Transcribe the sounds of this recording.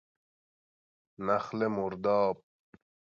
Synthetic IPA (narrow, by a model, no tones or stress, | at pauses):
naχlemuɾd̪ɑːp̚